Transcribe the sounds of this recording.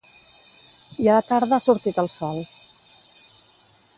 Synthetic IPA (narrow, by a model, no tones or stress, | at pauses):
iaat̪aɾðəasuɾt̪it̪əlˠsɔlˠ